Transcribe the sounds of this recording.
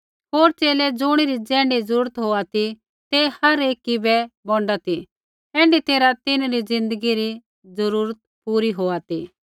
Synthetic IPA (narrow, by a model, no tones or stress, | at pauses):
ɦoːɾt͡ʃeːlɛd͡zʊɽ̃iɾid͡zɛ̃ːɳɖizəɾuːɾət̪ɦoːat̪i | t̪ehɐɾeːkːibɛbɔ̃ːɳɖat̪i | ɛ̃ːɳɖit̪eːɾat̪ɪnaɾid͡zɪ̃nd̪əɡiɾi | d͡zəɾuːɾət̪̚puːɾiɦoːat̪i